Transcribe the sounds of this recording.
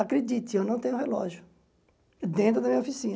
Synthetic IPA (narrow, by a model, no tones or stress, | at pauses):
akɾed͡ʒit̪ɪewnɐ̃w̃t̪ẽɲʊ̃ɦelɔ̰ʒjʊ | d̪ẽnt̪̬ɾʊd̪ɐmĩɲɐofisĩn